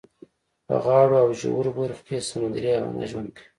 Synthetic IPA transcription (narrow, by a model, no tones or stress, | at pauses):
pə̰ɣɑːɽoawʒṵwuɾboɾxkesamand̪ɾiawa̰na̰ʒwankʰ